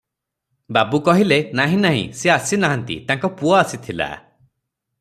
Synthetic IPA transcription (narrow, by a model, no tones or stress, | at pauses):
babukɔɦilenaɦĩnaɦḭ̃seasinaɦant̪ḭt̪aŋkɔpuɔasit̪ʰila̰